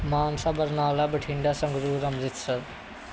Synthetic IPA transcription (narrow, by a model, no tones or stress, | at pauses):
maːnsabəɾnaːlabəʈʰɪ̃ɳɖasə̃ŋɡɾuːɾɐmzɪt̪səɾ